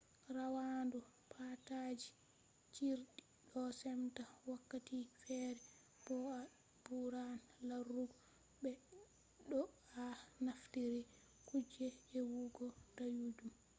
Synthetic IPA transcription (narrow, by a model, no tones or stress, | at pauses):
ɾawandu | pʰatad͡ʒi | t͡ʃiɾɗi | ɗɔsɛmtawakːatifɛɾɛ | b̥ɔa | buɾanlaruɡɔ | bɛ | ɗɔanaftiɾi | kud͡ʒɛːwuɡɔdajud͡ʒum